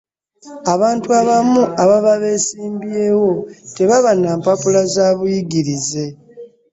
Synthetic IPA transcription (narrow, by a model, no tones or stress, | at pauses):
aβaːntuaβamuʔaβaβaβe̞siːmbje̞ːwo̞te̞βaβanaːmpapulazaːβujiɡiɾize̞